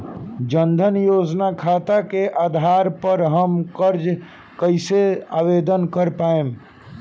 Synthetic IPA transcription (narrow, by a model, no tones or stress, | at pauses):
d͡ʒənd̪ʱənjod͡ʒnakʰat̪akeʔad̪ʱaɾpəɾɦəmkəɾd͡ʒ | kəɪseabed̪ənkəɾpaem